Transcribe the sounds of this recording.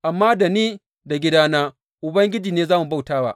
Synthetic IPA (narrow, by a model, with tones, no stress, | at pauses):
ʔa˨mːaː˦da˨niː˦ | da˨ɡʲɪ˦daː˦naː˦ | ʔʊ˨bɐ˦ŋɡʲɪ˦d͡ʒiː˨neː˦zaː˦mu˨ba˦wtaː˦wa̰ː˦ʔ